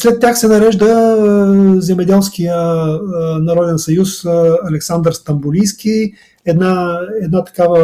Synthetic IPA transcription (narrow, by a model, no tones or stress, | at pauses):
slɛt̪ːjaxsɛnɐɾɛʒd̪ə | zɛmɛd̪ɛlˠskijə | nɐɾɔd̪ɛnsɐjusɐlɛksand̪əɾst̪ɐmbʊliskʲi | ɛd̪naɛd̪nat̪ɐ̥kavə